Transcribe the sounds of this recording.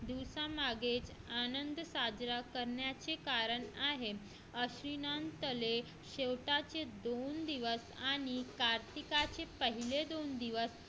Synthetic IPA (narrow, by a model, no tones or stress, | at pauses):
d̪iʋsamaɡet͡s | anənd̪əsad͡ʑɾakəɾɳjat͡sekaɾəɳaɦe | əɕɾinant̪əle | ɕewʈat͡sed̪ond̪iʋəsaɽ̃ikaɾt̪ikat͡sepəɦiled̪ond̪iʋəs